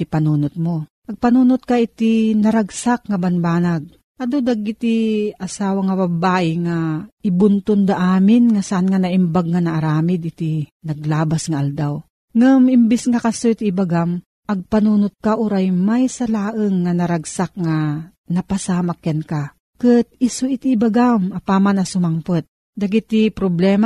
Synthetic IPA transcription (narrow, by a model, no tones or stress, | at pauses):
ipɐnuːnʊt̪̚moʔɐɡ̚pɐnuːnʊt̪̚kaʔɪt̪inɐɾaɡsak̚ŋɐbanbaːnaɡ̚ | ʔɐd̪od̪aɡɪt̪iɐsaːwaŋɐbɐbaːʔɪŋaɪbʊnt̪ʊnd̪aʔaːmɪnŋasaʔanŋanaʔimbaɡ̚ŋanaʔːɾaːmɪd̪ʔɪt̪inɐɡlaːbasŋaʔald̪aw | ŋɨmɪmbɪsŋakasoit̪iːbaɡam | ʔɐɡ̚panuːnʊt̪̚kaʔʊɾajmajsɐlaːʔɨŋːanɐɾaɡsak̚ŋa | nɐpasaːmakjanka | kɨt̪̚ɪsuʔit̪iːbaɡamapaːmanɐsʊmaŋpɨt̪̚ | d̪ɐɡit̪ipɾoblɛːma